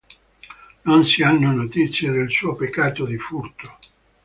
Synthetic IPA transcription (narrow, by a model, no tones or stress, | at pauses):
nonsianːonot̪it̪sːjed̪elsuːopekːaːt̪od̪ifurt̪o̥